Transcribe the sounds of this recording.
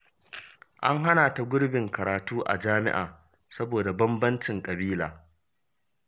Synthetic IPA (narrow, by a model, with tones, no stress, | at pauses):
ʔa̰˦ŋɦa˦naː˨ta˨ɡʷʊ˦ɽbɪ˨ŋkɐ˨ɾaː˨tuː˦ʔa̰˨d͡ʒaː˦mɪ̰˦ʔa̰ː˨ | sɐ˦boː˨da˨bɐ˦mbɐ˦nt͡ʃɪ˨ŋkʼɐ˨biː˦laː˨